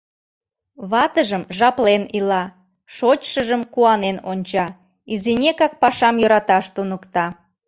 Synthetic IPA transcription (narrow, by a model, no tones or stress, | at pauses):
βɑt̪əʒəmʒɑplenilɑ | ʃot͡ɕʃəʒəmkuɑnenonʲt͡ɕɑ | izinʲekɑk̚pɑʃɑmjøɾɑt̪ɑʃt̪unəkt̪ɑ